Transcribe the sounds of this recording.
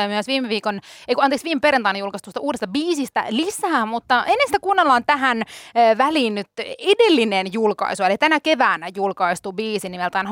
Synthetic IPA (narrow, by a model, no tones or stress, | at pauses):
myøsʋiːmeʋiːkoneikuɑneːksʋiːmpeɾent̪ɑinejulkɑst̪uost̪ɑuːdest̪ɑbiːsist̪æ̰lisæːmut̪ːɑʔenːensi̥t̪ækunːelːɑːnt̪æɦænʋæliːnnyt̪edelːinenjulkɑ̰isuelit̪ænækeʋæːnæjulkɑist̪ubiːsinimelt̪æin